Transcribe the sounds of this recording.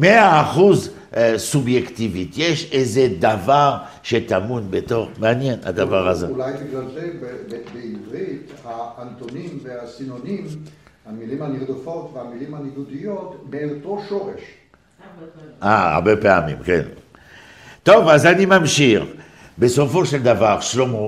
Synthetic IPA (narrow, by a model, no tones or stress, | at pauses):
meaːχuz | subjekt̪ivit̪jeʃezed̪avaʁ | ʃet̪amunbet̪o̞ʁmeanjena̰d̪avaʁazeulajbiɡlaltebebeivʁit̪haant̪onimveasinonimhamilimhaniʁd̪ofot̪veamilimhaniɡ̪ud̪ijot̪melot̪oʃoʁeʃ | aa̰ʁbepea̰mḭmkɛ̰n | t̪ovazanimamʃiʁ | besofoʃeld̪avaʁʃlomo